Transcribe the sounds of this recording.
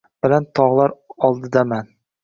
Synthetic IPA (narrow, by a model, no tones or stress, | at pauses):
b̥ɪlant̪ʰɒʁlˠaɾɒlˠd̪ɪd̪aman